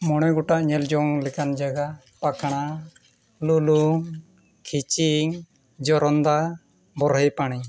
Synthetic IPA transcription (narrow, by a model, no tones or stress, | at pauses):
mɔɽ̃ɛɡɔʈaʔɲɛld͡ʒɔŋlɛkand͡ʒaɡa | pakʰaɽ̃a | luluŋ | kʰit͡ʃiŋ | d͡ʒɔɾɔnd̪a | bɔɾɦəjpaɽ̃i